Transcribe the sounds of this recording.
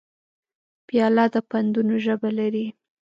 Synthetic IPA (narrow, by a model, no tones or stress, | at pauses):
pjɑlɑd̪əpand̪unoʒəbalaɾi